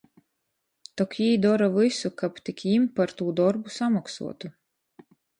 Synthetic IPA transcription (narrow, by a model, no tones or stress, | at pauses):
t̪ɔkʲjiːd̪ɔɾavɨsukapt̪ikʲimpaɾt̪uːd̪ɔɾbusamaksṵɔt̪u